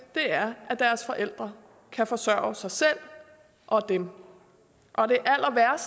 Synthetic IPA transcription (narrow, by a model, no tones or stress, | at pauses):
d̥e̝æɐʔæd̥æɐsfɒ̽ʔel̰d̥ʁɐ | kʰæfɒ̽sɶɐ̰sɑ̈ɪsel̰ | ʔɒ̽d̥em | ʔɒ̽d̥e̝ʔæl̰ɐʋæɐ̰s